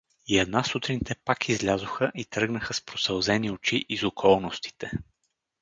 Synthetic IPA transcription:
iɛd̪nasut̪ɾint̪ɛpakʰizlʲazʊxəʔit̪ɾɤɡnəxəspɾosɛlˠzɛniot͡ʃiʔizokʰɔlˠnost̪i̥t̪ɛ

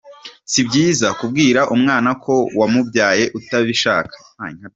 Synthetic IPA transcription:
sibɟiːzakub̚ɡiːɾaʔumŋaːnakʰo̞wamubɟaːje̞ʔutaβiʃaːkḁ | aŋa

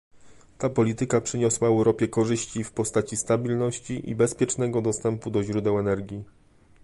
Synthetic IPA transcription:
t̪apɔlʲit̪ɘkapʂɘɲɔswaɛwɾɔpʲjɛkɔʐɘɕt͡ɕifpɔst̪at͡ɕist̪abʲilnɔɕt͡ɕiʔḭbɛspʲjɛt͡ʂnɛɡɔd̪ɔst̪ɛmpud̪ɔʑɾud̪ɛwɛnɛɾɡʲji

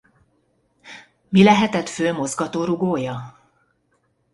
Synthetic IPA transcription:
milɛɦɛt̪ɛt̪føːmo̞zɡɒt̪oːɾuɡoːjɒ

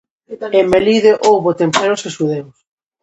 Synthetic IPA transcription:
emːeliðeʔowβot̪empeɾoseʃuðews

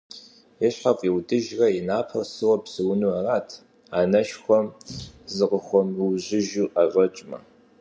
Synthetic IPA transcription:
jɛɕħafʼiwdɨʒrɐjɪnaːpʰɐwsɨwɐpsɨwnuɐraːtʰ | aːnɐʃxʷɔmzɨqəxʷɔmrɨʑɪʒuːʔɐvʷɐt͡ʃʼmɐ̰

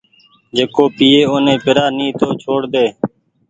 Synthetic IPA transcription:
d͡ʒeːkoːpiːeːoːnẽːpɪɾaːnĩːt̪ʰoːt͡ʃʰoːɽd̪eː

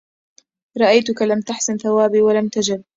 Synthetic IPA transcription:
ɾˤɑʔajt̪ʊkalamt̪aħsanθawaːbiːwalamt̪ad͡ʒɪb̚

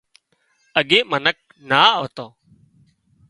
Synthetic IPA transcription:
əɠeːmənək̚ | naːəʋt̪oː

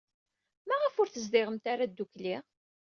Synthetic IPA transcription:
mæʁəfʊɾθəzd̪ɪʁəmt̪aɾad̪ːukliʁ

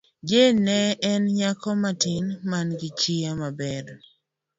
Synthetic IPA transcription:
d͡ʒenɛɛnɲakɔmatinmanɡɪt͡ʃiamabɛɾ

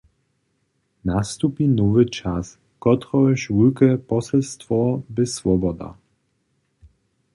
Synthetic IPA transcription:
nast̪upinɔvɘt͡ʃas | kɔt̪ɾɔɛʃvulkɛpɔsɛlst̪vɔbɪsvɔbɔd̪a̰

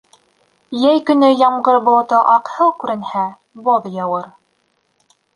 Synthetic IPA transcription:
jæjkɵ̆nɵjɑɴʁɤɾbŏlˠɤ̆t̪ɤʔɑqhɤlˠkʉɾɘ̆nhæ | boðjɤwɤɾ

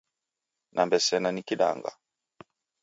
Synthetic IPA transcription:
nʔambɛsɛnanikiɗa̰ŋɡa̰

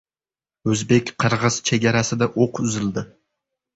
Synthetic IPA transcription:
ɵzbekʲqʰɨɾʁɨz̥t͡ʃʰeɡʲaɾasɪd̪aʔoqʏzɪld̪ɪ

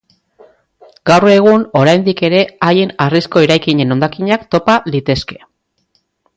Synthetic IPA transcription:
ɡ̥awre̞ɣ̞uno̞ɾajnd̪ike̞ɾe̞ajenarisko̞eɾajkiɲe̞no̞nd̪akiɲakt̪o̞palit̪e̞ske̞̥

